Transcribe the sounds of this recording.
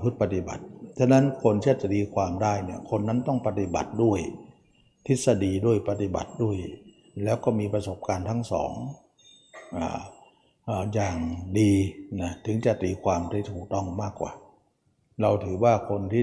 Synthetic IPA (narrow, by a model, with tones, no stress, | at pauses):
pʰɯ˦˥t̪̚pa˧t̪i˨˧˩ba̰˨˩t̪̚t͡ɕʰa˧˥nːa˦˥nkʰo˧nt̪ʰiː˥˩˧a˧t̪iː˧kʰwaː˧mdaː˥˩jni˧˩ɐkʰo˧nːa˦˥nt̪ɔ˥˩ŋpa˧t̪i˨ba̰˨˩t̪̚du˥˩əj | t̪ʰi˦˥t̪̚sa˧diː˧du˥˩əjpa˧t̪i˧ba̰˨˩t̪̚du˥˩əj | lɛː˦˥wkɔː˥˩miː˧pa˧so˨˩˦p̚kaː˧nt̪ʰa˦˥ŋsɔ̰ː˩˦ŋ | ʔa̰ː˨˩ | ʔːjaː˨˩ŋdiː˧na˦˥t̪ʰɯ˩˦ŋt͡ɕa˨˩t̪iː˧kʰwaː˧mt̪ʰiː˧˩t̪ʰuː˨˩k̚t̪ɔ˥˩ŋmaː˥˩kːwa̰ː˨˩ | ɾa˧wt̪ʰɯː˩˦waː˥˩kʰo˧nt̪ʰiː˥˩